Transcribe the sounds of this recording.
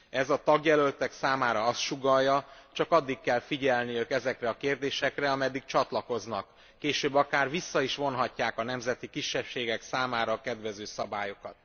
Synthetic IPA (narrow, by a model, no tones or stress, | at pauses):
ɛzɒt̪ɒɡjɛlølt̪ɛksaːmaːɾɒɒst̪ʃuɡɒjːɒt͡ʃɒkɒd̪ːikkːɛlfiɟɛlnijøːkɛzɛkrɛɒkeːrd̪eːʃɛkrɛɒmɛd̪ːik̚t͡ʃɒt̪lɒko̞znɒkː | eːʃøːbːɒkaːrvisːɒiʃʋo̞nɦɒcːaːkɒnɛmzɛt̪ikiʃːɛpʃeːɡɛksaːmaːɾɒːkɛd̪ʋɛzøːsɒbaːjo̞kɒt̪̚